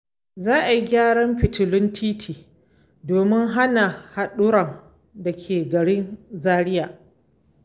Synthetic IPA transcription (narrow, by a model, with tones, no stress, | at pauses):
zaː˦ʔa˨ji˨ɡʲaː˦ɽɐ˦mɸɪ˨tʊ˨lʊ˦ntʰiː˦tʰiː˨ | doː˨mɪ˦ŋɦa˦na˨ha˨ɗʊ˦ɾɐ˨ŋ | da˨kʲʰeː˨ɡɐ˨ɽɪ˦nzaː˦ɽɪ˦jaː˨